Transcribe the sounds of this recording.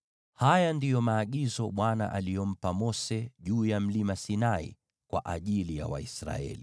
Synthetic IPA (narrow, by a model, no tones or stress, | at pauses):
hajandijɔmaːɠizɔɓwana̰ʔalijɔm̩pamɔsɛʄuːjam̩limasinaḭ | kwa̰ʔaʄilija̰wa̰isɾa̰ɛ̰li